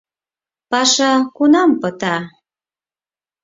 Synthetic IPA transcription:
pɑʃɑkunɑmpət̪ɑ

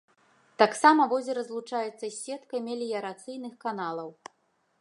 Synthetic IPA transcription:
t̪aksamɐvɔzʲɛɾɐzlˠut͡ʂajɛt̪sːɐsʲɛt̪kɐjmʲɛlʲijɐɾat̪sɨjnɨxkanalˠɐw

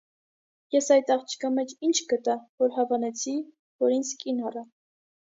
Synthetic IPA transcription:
jɛsɑjt̪ɑχt͡ʃʰi̥kʰɑmɛt͡ʃʰint͡ʃʰkət̪ɑvɔɾɦɑvɑnɛt͡sʰi | vɔɾint͡sʰkʼinɑrɑ

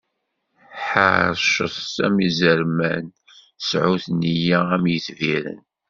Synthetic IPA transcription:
ħa̰ɾʃəθsæ̰mizəɾmæn | sʕuθnijææmjəθviɾə̰n

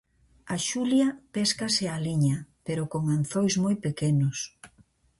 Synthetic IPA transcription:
aʃuljɐpeskɐsɪaliɲɐpeɾokoŋanθojzmojpekenʊs

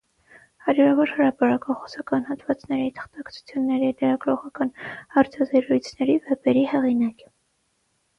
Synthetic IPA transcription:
hɑɾjuɾɑvɔɾhəɾɑpɑɾɑkɑχɔ̥sɑkɑnhɑt̪vɑt͡snɛɾit̪ʰə̥χt̪ɑkt͡sʰu̥t͡sʰjunːɛɾilɛɾɑɡɾɔʁɑkɑnhɑɾt͡sʰɑzɛɾujt͡sʰnɛɾivɛpɛɾihɛʁinɑkə̥

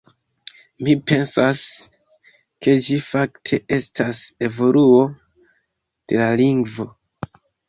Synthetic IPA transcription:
mipe̞nsas | ke̞d͡ʒifaktʰe̞ʔe̞stʰase̞vo̞luo̞ | d̥e̞laliŋɡvo̞

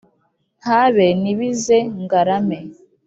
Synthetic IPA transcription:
haβeniβizeŋɡaɾame

